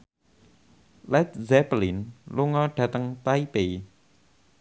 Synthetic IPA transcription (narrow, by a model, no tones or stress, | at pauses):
lɛt̪̚zɛpəlinluŋɔɖ̥ä̤t̪əŋt̪aipe